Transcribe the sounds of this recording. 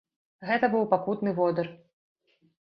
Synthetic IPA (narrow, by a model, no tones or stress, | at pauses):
ɣɛt̪ɐbɨwpakut̪nɨvɔd̪ɐr